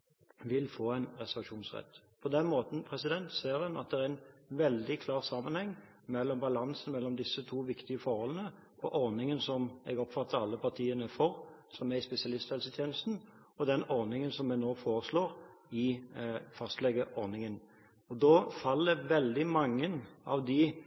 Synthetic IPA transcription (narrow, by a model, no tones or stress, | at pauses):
ʋɪlfoːæɪnɾɛsɛʋɑʃuːnsʁɛ̰t̪ːpʰɔd̪ɛnmoːt̪n̩pʰʁɛsɪd̪ɛnt̪seːɾhɑnɑ̰t̪̚d̪ɛɾɛæɪnʋɛld̪ɪkʰlɑːʁsɑmːənhɛŋː | mɛlːɔmbɑlɑnsənmɛlːɔmd̪ɪsːət̪ʰuːʋɪkt̪ɪəfɔɾhɔlənə | pʰɔʔɔɾnɪŋənsɔmɛ̰ɡɔpfɑt̪ːəɾɑlːəpʰɑʁt̪ʰiːənəfɔʁsɔmæɪspɛsɪɑlɪst̪fɛlsət̪ʰjeːnəst̪n̩ | ɔd̪ɛnɔʁnɪŋənsɔmːɛnoːfoːɾəsloːɾ | ɪ | fɑst̪lɛɡəʔɔɾnɪŋən | ɔd̪oːfɑlːəʋɛld̪ɪmɑŋːənɑ̰ʋd̪ɪ